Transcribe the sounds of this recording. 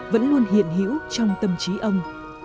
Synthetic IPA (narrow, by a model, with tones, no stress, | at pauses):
və̰˧˥nlu˧ənɦḭ˧˨ənɦḭ˧˥əwt͡ɕɔ˧wŋ͡mt̪ə˨˩mt͡ɕi˨˦ʔə˧wŋ͡m